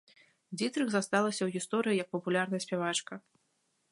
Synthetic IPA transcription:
d͡zʲit̪ɾɨɣzast̪alˠɐsʲɐwɣʲist̪ɔɾɨjijɐk̚pɐpulʲarnɐjɐsʲpʲavat͡ʂkɐ

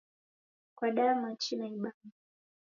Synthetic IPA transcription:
kwaɗamat͡ʃinaiɓama

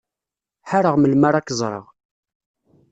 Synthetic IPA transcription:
ħaɾəʁməlmaɾˤakːəzˤɾˤə̰ʁ

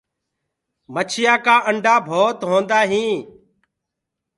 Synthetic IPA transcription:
mət͡ʃʰɪjaːkaːʔəɳɖaːbʱoːt̪ɦõːnd̪aːɦĩː

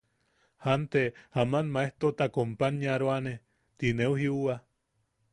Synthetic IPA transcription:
hant̪ehamanmaeht̪ot̪akompaɲaɾoane | t̪ineuhiuwa

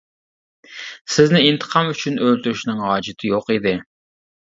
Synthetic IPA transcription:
sɪznɪint̪ʰə̥qʰɑmyt͡ʃʰynʔølʲt̪uɾyʃnɨŋʁɑːd͡ʒɪt̪ʰɪjoqid̪ɪ

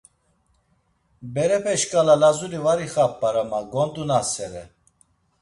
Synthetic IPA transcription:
bɛɾɛpʰɛʃkʼalalazulivaɾiχapʼːaɾamaɡɔnd̪unasɛɾɛ

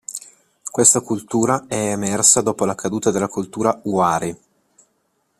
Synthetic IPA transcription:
kwest̪akult̪uːɾaɛːmɛrsad̪ɔːpolakʰad̪uːt̪ad̪elːakult̪uːɾauaːɾi

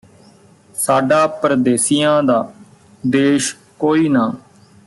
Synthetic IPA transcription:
saːɖaːpɾəd̪eːsijãːd̪aː | d̪eːʃ | koːiːnaː

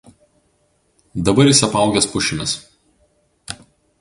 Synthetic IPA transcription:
d̪ɐbɐɾʲɪsʲɐpɑˑʊɡʲɛspʊʃʲɪmʲɪs

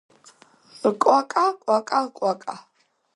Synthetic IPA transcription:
kʼwakʼakʷʼakʼakʷʼakʼa

